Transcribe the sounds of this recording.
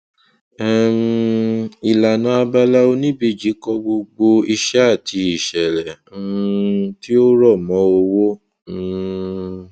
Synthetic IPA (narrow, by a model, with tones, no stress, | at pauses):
ɛ˦m | i˨la˨nã˨˧a˧ba˧la˦o˧nĩ˦bi˦˨d͡ʒi˨˦kɔ˧ɡ͡bo˧ɡ͡bo˧i˧ʃɛ˦a˦˨tʰi˧i˨ʃɛ˨ɾɛ˨˦ | ti˦o˦ɾɔ˦˨mɔ̃˨˦o˧wo˦